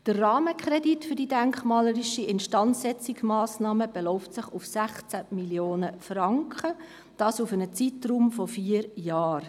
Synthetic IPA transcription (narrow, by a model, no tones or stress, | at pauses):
d̥ərːɑːməkχɾɛditfʏɾd̥idæŋkχmɑːləɾiʃiʔɪnʃtɑnt͡sːɛt͡siksmɑːsnɑːməb̥elɔʊftsɪχufsæχt͡sæmiljoːnəfrɑŋkʰχə | d̥ɑːsufənət͡sitruːmfɔfiːəɾjɑːr